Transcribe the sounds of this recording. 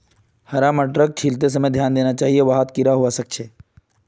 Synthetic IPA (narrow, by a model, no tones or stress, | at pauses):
hɐɾaməʈɾək̚t͡ʃʰiːlt̪es̬ɐməjd̪ʱjaːnd̪eːnat͡ʃaːɦieʋaɦat̪kɪɾaɦuasɐk̚t͡ʃʰeː